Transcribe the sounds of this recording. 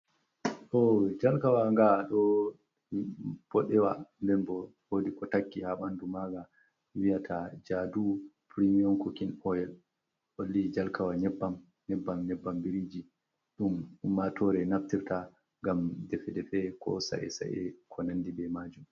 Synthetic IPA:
ɗɔd͡ʒalkawaŋɡaɗɔ | b̥ɔɗɛwandɛnbɔhodikɔtakːihaɓandumaɡa | wijatʰad͡ʒadupɾimiɔnkɔkinɔjɛl | ʔolːid͡ʒalkawaɲɛbːam | ɲɛbːamɲɛbːambiɾid͡ʒi | ɗummːatɔɾɛnaftiɾta | ŋɡamdɛfɛdɛfɛkʰɔ̰sa̰ʔɛ̰sa̰ʔɛ̰kʰɔnanːdibɛmad͡ʒum

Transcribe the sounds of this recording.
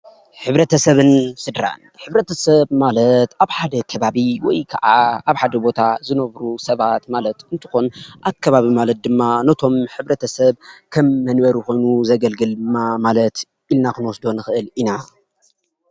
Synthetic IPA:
ħɨβɾɐt̪ʰɐsɐβɨnsɨd̪ɾa̰nħɨβɾɐt̪ʰɐsɐβmalɐt̪aβħad̪ɐkʰɐβaβiwɔjkʰɐ̰ʕaaβħad̪ɐbo̞t̪ʰazɨnɐβɾusɐβat̪malɐt̪ɨnt̪ʰɨxonʔakʰːɐβaβimalɐt̪̚d̪ɨmːanɐt̪ʰo̞mħɨβɾɐt̪ʰɐsɐβkʰɐmːɐnbɐɾuko̞jnuzɐɡɐlɡɨld̪ɨmːamalɐt̪ | ʔilnakɨnwɔsd̪o̞nɨxɨʔɨlina

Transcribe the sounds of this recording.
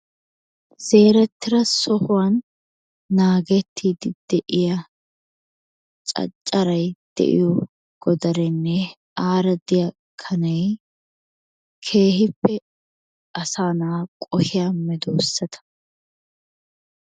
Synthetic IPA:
z̥e̞ːɾɛt̪ːɪɾɐsɔhʊwɐnː | aːɡɛt̪ʰːiːd̪ɪd̪̥ɛʔɪjɐ | t͡ʃʼɐ̰t͡ʃʼːɐɾɐjd̪̥ɛ̰ʔɪ̰jɔ | ɡ̥ɔd̪ɐɾɛnːɛ | aːɾɐd̪ɪjɐ | kʰɐnɛj | kʰe̞ːhɪpːɛ | ɐsaːnaːkʼɔhɪjamɛd̪oːsːɐt̪ʰɐ̥

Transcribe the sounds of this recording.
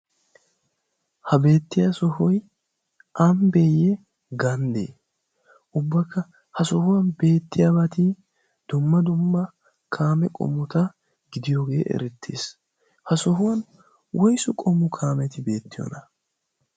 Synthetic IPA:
hɐbe̞ːt̪ːɪjasɔhɔj | ʔɐmbeːjːɛ | ɡɐnd̪ḛː | ʔʊbːɐkːɐ | hɐsɔhʊwɐnbe̞ːt̪ːɪjabɐt̪i | d̪̥ʊmːɐd̪ʊmːɐ | kʰaːmɛkʼɔ̰mːʊt̪ɐ | ɡɪd̪ɪjoːɡe̞ːʔɛ̰ɾɛt̪ʰːḛːs | hɐsɔɦʊwɐn | wʔɔjsʊkʼɔmːʊkʰaːmɛt̪ɪbe̞ːt̪ːɪjɔ̰nɐ

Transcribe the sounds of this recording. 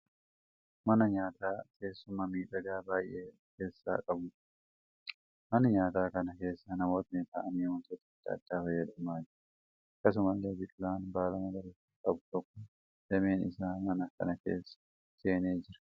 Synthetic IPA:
mɐnɐɲaːt̪aːtʰe̞ːsːʊmɐmiːᶑɐɡ̪aːbaːjʔeː | ke̞ːsːa̰ːkʼɐbʊᶑ | mɐnɐɲaːt̪aːkɐnɐke̞ːsːɐnɐmo̞ːt̪nɪt̪ɐ̰ʔɐniːhʊnt̪ot̪ɐd̪̥ːɐ̰ːd̪̥ːaːbɐjɛᶑɐmaːd͡ʒɪɾɐ | kːɐs̬ʊmɐlːe̞ːbɪt̪ʼlaːnbaːlɐmɐɡɐɾɪt̪ːi̥kʼɐbʊt̪ɔkːɔ | d̥ɛme̞ːnɪ̰saːmɐnɐkɐ̰nɐkḛːsːɐ̥ | se̞ːneːd͡ʒɪɾɐ̥

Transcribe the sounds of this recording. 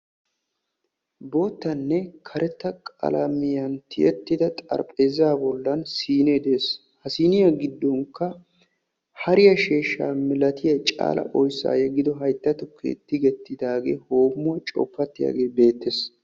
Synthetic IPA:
boːt̪ːɐnːɛkʰɐɾʔɛt̪ːɐkʼɐ̰lɐmɪjɐnt̪ʰɪjʔɛt̪ːɪd̪ɐt̪ʼɐ̰ɾpʼe̞ːzaːbɔlːɐnsiːneːd̪e̞ːs | hɐsiːnɪjɐɡɪd̪ːɔŋkːɐ | hɐɾɪjɐʃeːʃːa̰ːmɪlɐt̪ʰɪjɐt͡ʃʼa̰ːlɐ̰ʔɔjsːa̰ːjɐɡɪd̪ɔɦɐjt̪ːɐt̪ʊkʰːḛt̪ːɪɡɛt̪ːɪd̪aːɡe̞̰ːho̞ːmːʊɐt͡ʃʼɔ̰pːɐt̪ːɪja̰ːɡe̞ːbe̞ːt̪ːes

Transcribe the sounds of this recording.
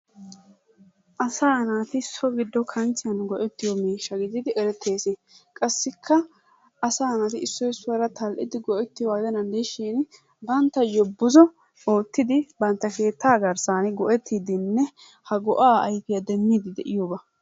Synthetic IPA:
ʔɐsaːnaːt̪ɪsːɔɡɪd̪ːɔkʰɐnt͡ʃɪjɐnɡɔʔɛt̪ːɪjɔmiːʃːɐɡɪzɪd̪ɪʔɛɾɛt̪ʰːe̞ːsɪkʼɐsːɪkʰːɐ | ɐsaːnaːt̪ɪɪsːɔjsːʊwɐɾɐt̪ɐlʔɪ̰d̪ɪɡɔʔɛt̪ːɪwaːd̪ɐnɐnd̪eʃiːn | bɐnt̪ːɐjɔbʊzɔ | o̞ːt̪ːɪd̪ɪbɐnt̪ːɐke̞ːt̪ʰːaːɡɐɾsaːnɪɡɔʔɛt̪ʰːiːd̪ɪnːɛ | hɐɡɔʔaːɐjkɪjɐd̪ɛmːiːd̪ɪd̪ɛʔɪjobɐ

